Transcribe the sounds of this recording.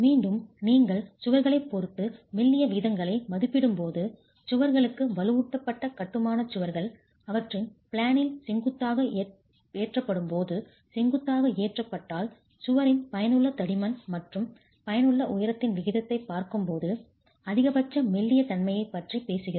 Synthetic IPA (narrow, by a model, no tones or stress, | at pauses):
miːɳɖɯmniːŋɡɐɭsʊʋɐɾɣɐɭɐɪpːoɾt̪ːɯmɪlːɪjɐʋiːðɐŋɡɐɭɐɪmɐðɯpːɪɽɯmpoːðɯ | t͡ʃʊʋɐɾɣɐɭɯkːɯʋɐlɯʋʊʈːɐpːɐʈːɐkɐʈːɯmaːnɐt͡ʃʊʋɐɾɣɐɭ | ɐʋɐʈrɪnpɪɭaːnɪlsɛŋɡɯt̪ːaːɣɐ | eːʈrɐpːɐɽɯmpoːðɯ | sɛŋɡɯt̪ːaːɣɐeːʈrɐpːɐʈːaːl | sʊʋɐɾɪnpɐjɐnɯɭːɐt̪ɐɽɪmɐnmɐʈrɯm | pɐjɐnɯɭːɐʔʊjɐɾɐt̪ːɪnʋɪɣɪðɐt̪ːɐɪpːaːɾkɯmpoːðɯ | ɐðɪɣɐbɐt͡ʃːɐmɪlːɪjɐt̪ɐnmɐjɐɪpːɐʈripeːsɯɣɪɾɐ